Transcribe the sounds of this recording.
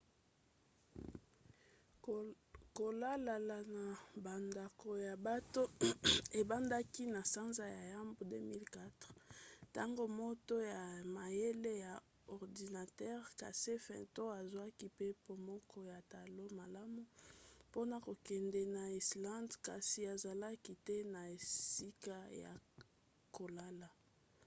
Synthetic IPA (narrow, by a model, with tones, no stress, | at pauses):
ko˨la˦la˨la˨na˨ba˨nda˨ko˨ja˨ba˦to˦e˨ba˦nda˦ki˦na˨sa˦nza˦ja˨ja˦mbo˨dø˦mi˦lka˦tʁta˦ŋɡo˦mo˦to˦ja˨ma˨je˦le˦ja˨ | ɔ˨ʁdi˨na˨tɛ˦ʁka̰˨se˦fɛ̰̃˨to˦a˨zwa˦ki˦pe˦po˨mɔ˦kʰɔ˦ja˨ta˨lo˦ma˨la˦mu˦po˦na˨ko˨kɛ˨ndɛ˨na˨i˨slã˦ndka˨si˨a˨za˨la˦ki˦te˦na˨e˨si˦ka˦ja̰˨ | ko˨la˦la˨